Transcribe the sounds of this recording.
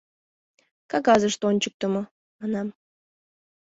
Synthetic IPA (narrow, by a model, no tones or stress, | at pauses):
kɑkɑzəʃt̪onʲt͡ɕək̚t̪ə̆mɤ̆ | mɑnɑm